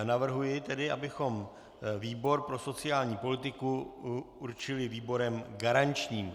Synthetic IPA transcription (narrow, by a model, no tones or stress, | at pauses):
navr̩ɦujɪt̪ɛdɪʔabɪxo̞m | viːbo̞ɾpɾo̞so̞t͡sɪjaːlɲiːpo̞lɪt̪ɪku | uɾt͡ʃɪlɪviːbo̞ɾɛmɡaɾant͡ʃɲiːm